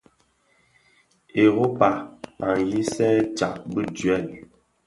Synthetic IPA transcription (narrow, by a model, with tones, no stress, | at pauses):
e˨ɣo˦pa˨a˨n˨ji˦sɛ˦t͡ʃa˨ʔ̚bə˦d͡ʒɥɛ˦˨l